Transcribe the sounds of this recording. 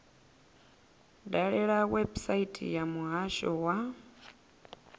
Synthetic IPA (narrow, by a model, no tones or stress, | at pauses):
daɺɛɺawɛbsaitʼḭjamuɦaʃɔwa